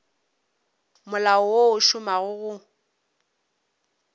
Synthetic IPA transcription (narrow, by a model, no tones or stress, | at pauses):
mʊlaɔwoʊʃʊmaɣʊɣʊ